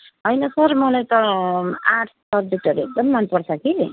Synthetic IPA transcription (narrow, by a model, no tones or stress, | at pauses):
ɦʌjnʌsʌɾmʌlajt̪ʌaʈʰsʌɾd͡zuʈʌɾek̚d̪ʌmːanpʌɽt͡sʰʌki